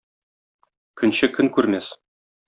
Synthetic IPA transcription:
kʰɵ̆nɕɘkɵnkʉɾmæs

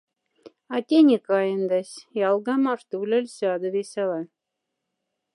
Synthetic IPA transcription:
ɑt̪ʲenʲekɑjə̆nd̪æsʲjɑlˠɡɑmɑʂt̪ulʲɘ̆lʲsɑd̪ɤ̆βesʲælɑ

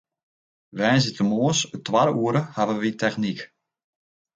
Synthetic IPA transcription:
ʋɛːnzitəmoːsətʰwaɾəuəɾəhavəʋitʰɛxnik

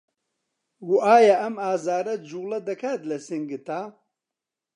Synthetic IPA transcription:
ɡuʔaːjɐʔɐmaːzaːɾɐd͡ʒulɐd̪ɐkʰaːt̪lɐsɨŋɡɨt̪a

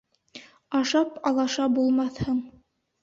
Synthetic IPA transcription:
ɑʃɑpɑlˠɑʃɑbulˠmɑθhɤɴ

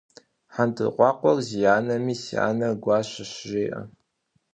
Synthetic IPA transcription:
ħantʰɨ̰qʷɑːqʷɔrzijaːnɐmiːsia̰ːnɐɡʷɑːɕɪɕʒeːʔɐ̰

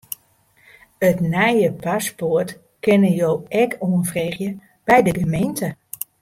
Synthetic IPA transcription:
ətnɛjəpasport | kɪnəjoːʔɛkʰoənfreːχjə | b̥ɛjdəɡəmejntə

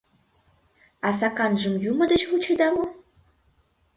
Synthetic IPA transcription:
ɑs̬ɑkɑnʒɤ̆mjumə̆d̪ə̆t͡ɕvut͡ɕed̪ɑmo

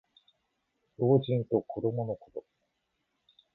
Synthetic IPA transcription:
jo̞ːʑĩnt̪o̞ko̞d̪o̞mo̞no̞kot̪o̞

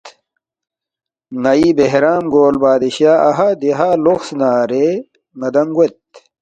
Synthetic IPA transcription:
nɐibeɦɾaːmɡoːlbaːd̪iɕjaːʔɐɦad̪iɦaːloxsnaːɾe | mɐd̪ɐmɡwet̪

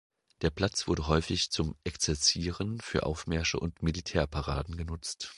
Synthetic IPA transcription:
d̥eːɐpʰl̥at͡sv̥ʊɐdəɦɔʏfɪçt͡sʊmʔɛkt͡sɛɐt͡siːʁənfyːɐʔa̰ʊfmɛɐʃə̰ʔʊntmilitʰɛːɐpʰaʁa̰ːdn̩ɡənʊt͡st

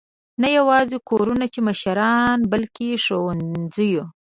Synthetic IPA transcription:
najawɑzekʰoɾunat͡ʃemaʃaɾɑnbalkeʂowanzəju

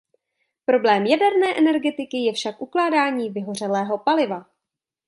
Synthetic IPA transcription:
pɾo̞blɛːmjadɛɾnɛːʔɛnɛɾɡɛt̪ɪkɪjɛfʃakʔuklaːdaːɲiːvɪɦo̞r̝ɛlɛːɦo̞palɪva

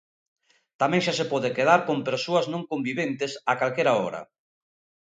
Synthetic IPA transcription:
t̪amɛ̃ŋʃasepɔðekeðaɾkompeɾsoɐznõŋkombiβent̪ɪsakalkeɾaɔɾɐ̰

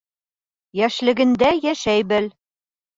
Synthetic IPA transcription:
jæʃlɘ̆ɡɘ̆nd̪æjæʃæjbɘl

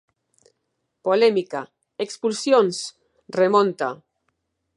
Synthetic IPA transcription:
polemika | ekspulsjons | remõnt̪a̰

